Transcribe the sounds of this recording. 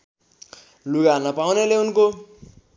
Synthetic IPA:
luɡanʌpawneleunko

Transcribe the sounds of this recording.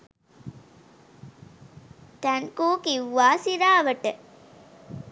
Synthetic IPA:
t̪ænkuːkiwːaːsiɾaːʋɐʈə

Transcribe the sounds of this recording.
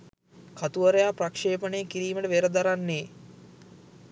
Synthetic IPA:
kʰat̪uʋəɾejaːprakʂeːpəneːkiɾiːməʈəʋeɾəd̪aɾanːeː

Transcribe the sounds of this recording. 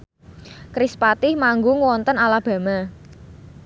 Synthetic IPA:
kɾispat̪ɪhmaŋɡʊŋwɔnt̪ənalab̥a̤ma

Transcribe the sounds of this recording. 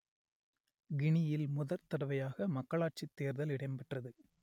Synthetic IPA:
ɡɪɳɪjɪlmʊðɐɾt̪ɐɽɐʋɐjaːɣɐmɐkːɐɭaːʈ̚t͡ʃɪt̪ːeːɾðɐlɪɽɐɪmpɐʈrɐðɯ

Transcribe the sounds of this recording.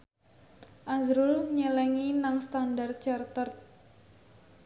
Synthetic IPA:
ʔazɾʊlɲəlɛŋinaŋst̪andart̪̚t͡ʃart̪ərt̪̚

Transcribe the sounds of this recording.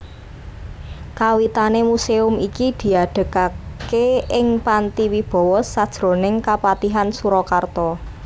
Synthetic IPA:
kawit̪anemuseʊmikid̪̥i̤aɖ̥ə̤kakeɪŋpant̪iwib̥ɔ̤wɔsad̥ʒ̥ɾo̤nɪŋkapat̪iɦansuɾɔkart̪ɔ

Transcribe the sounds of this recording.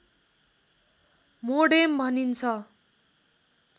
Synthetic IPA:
moɽembʱʌnint͡sʰʌ

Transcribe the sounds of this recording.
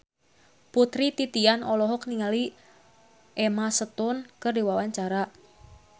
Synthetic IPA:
put̪ɾit̪it̪ianɔlɔɦɔkniŋali | ʔɛmasət̪ʊnkɨrdiwawaɲt͡ʃaɾa

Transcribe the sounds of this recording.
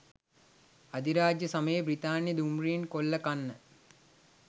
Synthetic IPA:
ad̪iɾaːd͡ʒjəsaməjebrit̪aːnjəd̪umriinkolːəkanːə

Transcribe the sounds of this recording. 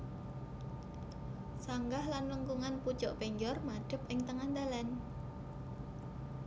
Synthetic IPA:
saŋɡahlanləŋkuŋanpud̥ʒ̥ɔʔpeɲd͡ʒɔrmad̥ə̤p̚ʔɪŋt̪əŋand̪alan

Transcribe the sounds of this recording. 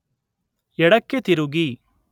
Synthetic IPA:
ɛɽɐkːet̪iɾuɡi

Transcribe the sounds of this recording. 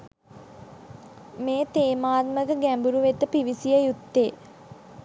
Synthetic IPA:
meːt̪eːmaːt̪məkəɡæmbuɾuʋet̪əpiʋisijəjut̪ːeː

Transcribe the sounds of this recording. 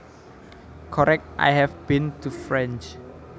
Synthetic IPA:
kʰɔɾɛk̚tʔa̰jɦɛfb̥ĩntʰufɹɛ̃nt͡ʃ

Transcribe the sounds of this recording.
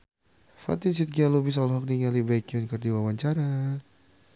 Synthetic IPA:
fa̰t̪insit̪̚ɡialubis̬ɔlɦɔk̚niŋalibajkiɔnkərdiwawaɲt͡ʃaɾa

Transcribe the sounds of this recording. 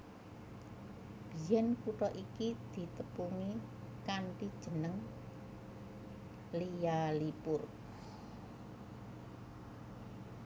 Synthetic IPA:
b̥i̤jɛnkuʈɔʔikid̪̥i̤t̪əpuŋi | kaɳʈid̥ʒ̥ə̤nəŋ | lijalipʊr

